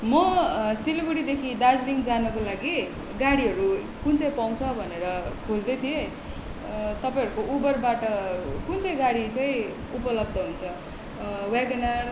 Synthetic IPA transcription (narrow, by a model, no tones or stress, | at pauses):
mʌsilɡuɽid̪ekʰid̪ad͡zliŋd͡zanʌkolaɡi | ɡaɽiɦʌɾu | kunt͡sʌj̃paw̃t͡sʰʌbʱʌneɾʌkʰod͡zd̪ʌjt̪ʰie | t̪ʌpaj̃ɦʌɾukoʔubʌrbaʈʌkunt͡sʌj̃ɡaɽit͡saĩ | upʌlʌb̚d̪ʱʌɦunt͡sʰʌ | waɡʌnar